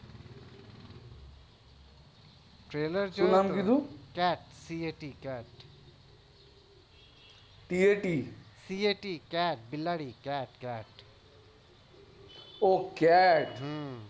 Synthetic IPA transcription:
ʈɾeːləɾst͡ʃunaːmkid̪ʰuːkɛːʈsiːeːʈiːkɛːʈ | ʈiːeːʈiːsiːeːʈiːkɛːʈ̚bɪlaːɽiːkɛːʈkɛːʈ | oːkɛːʈ

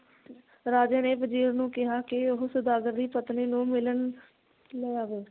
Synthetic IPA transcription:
ɾaːd͡ʒeːneːpəd͡ʒiːɾnũːkɪɦaːkɪʊɦsəd̪aːɡəɾd̪iːpət̪niːnũːmɪlən | lejaːʋeː

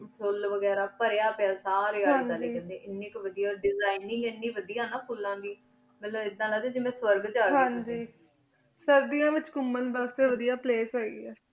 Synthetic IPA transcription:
sʰʊlʋəɡɛːɾaːpəɾejaːpeaːsaːɾeːɦãaːleiːə̃nd̪eːʔɪnːiːkʋəd̪ijaːɖɪzaːɪnɪ̃ŋɡɪnːiːʋəd̪ijaːnaːpʰuːlːãːbiː | mət̪ləbɪd̪ːãːləɡd̪ẽːd͡ʒeːmɛ̃ːsʋəɾɡd͡ʒaːɡɦãːɲd͡ʒiː | səɾd̪ijãːʋɪt͡ʃkʊmːənbəst̪eʋəd̪ijaːpleːsɛːɡḭːɛː

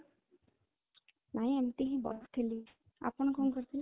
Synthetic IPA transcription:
naĩɛmt̪iɦĩbɔ̰ɾsk̪ʰeli | a̰pənkʰoŋkəɾt̪ʰil

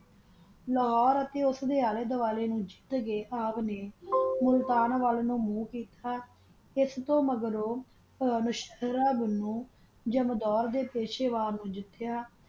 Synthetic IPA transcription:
ləɦɔːɾət̪eːʊsd̪eːaːleːd̪əʋaːleːnũːd͡ʒɪt̪ɡeːʔaːpneːmʊlt̪aːnʋaːlnũːmũːkiːt̪ʰaː | ɪst̪õːməɡɾoː | nʊʃəɾaːbnũː | d͡ʒəmd̪ɔːɾd̪eːpeːʃeːʋaːlnũːd͡ʒɪt̪ːjaː

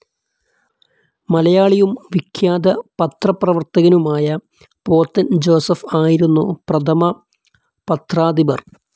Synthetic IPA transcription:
mɐlɐjaːɭijumʋikʰjaːd̪ɐpɐt̪rɐprɐʋɐrt̪ɐɣɐnumaːjɐ | po̞ːt̪ːɐnd͡ʑo̞ːsɐfaːjiɾunːuprɐt̪ʰɐmɐ | pɐt̪raːd̪ibɐr

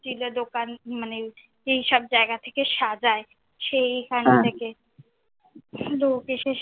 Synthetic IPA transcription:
t͡ʃiled̪okanmane | eɦiʃɔb̚d͡ʑaeɡat̪ʰekeʃad͡ʑae | ʃeikʰaneeke | lokeʃeʃ

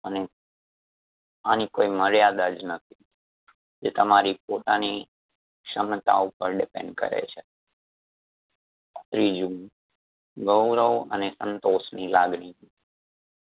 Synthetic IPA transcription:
əne | anikoiməɾjad̪ad͡ʒnət̪ʰi̥ | d͡ʒet̪əmaɾipot̪ani | kʃəmt̪a̰upəɾɖɪpḛ̃ɳɖkə̰ɾḛt͡ʃʰe | t̪ɾid͡ʒũ | ɡəwɾəʋə̰nesənt̪osnilaɡɳid͡ʒũ

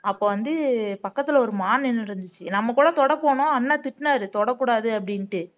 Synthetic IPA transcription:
ɐpːoːʋɐnd̪ɯpɐkːɐt̪ːɯlɔɾɯmaːnɛnːɯɾɯnd̪ɯt͡ʃːɯnɐmːɐkːuːɽɐt̪ɔɽɐpoːɳʊ̃ɐnːat̪ɪʈːnaːɾɯt̪ɔɽɐkːuːɽaːðɯɐpːɐɽɪnʈɯ

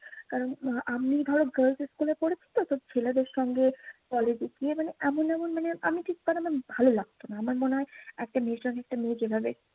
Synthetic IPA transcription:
kaɾonʔamid̪ʱɔɾop̚ɡəɾlseskulepoɽet͡ɕʰi̥t̪osɔb̚d͡ʑʰeled̪eɾʃɔŋɡekɔled͡ʑikiemaneʔɛmonɛmonmaneʔa̰miʈʰik̪̚panamanbʱalolaɡ̚t̪onaamaɾmoneɦɔeɛk̚ʈamesɔnɛk̚ʈamed͡ʑebʱabe

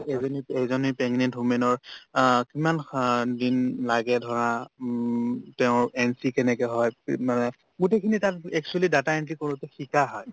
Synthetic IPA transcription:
ezɔniezɔnipɛŋnɛntumɛnɔɹkimandinlaɡɛdʱɔɹa | tɛʊ̃ɹɛnsikɛnɛkɛɦɔjmanɛ | ɡutekʰinitat̚ɛk̚t͡ʃualidataɛntikoɹutɛxikaɦɔj

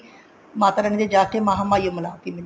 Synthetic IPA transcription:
maːt̪aːɾɛniːd̪eːd͡ʒaːt̪ʰemaːɦaːmaːjoməlaːt̪iːmɪn

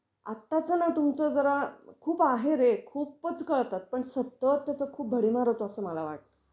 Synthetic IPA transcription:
a̰t̪ːat͡sənat̪umt͡səd͡zəɾakʰuːpaɦeɾekʰuːpət͡skəɭt̪at̪̚pəɳsət̪ːət̪ːjat͡səkʰuːp̚bʱəɽimaɾot̪oəsəːməlaʋa̰ʈ̚t̪ə̥

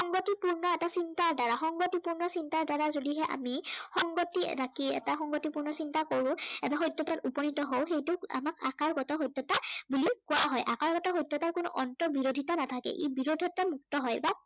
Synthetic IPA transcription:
ɔŋɡotipuɹnɔɛtasintaɹdaɹaxɔŋɡotipuɹnɔsintaɹdaɹazodiɦɛʔa̰mixɔŋɡotiɹakiɛ̰taxɔŋɡotipuɹnɔsintakoɹʊ̃ɛtaɦojtːɔtatupɔnitɔɦowxejtʊa̰makakaɹɡɔtaɦojtːɔtabulikʊwaɦɔjʔa̰kaɹɡɔtaɦojtːɔtaɹkʊnʊ̰ʔɔntɔbiɹodʱitanatʰakɛ̰ʔḭbiɹodʱɔtamuk̚tɔɦɔjba

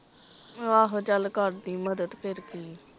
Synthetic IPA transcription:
ʋaːɦt͡ʃəlkəʈd̪iːməd̪əd̪pɪɾkiː

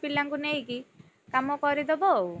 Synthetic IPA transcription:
pilaŋkunejki | kamɔkɔɾid̪ɔbɔ

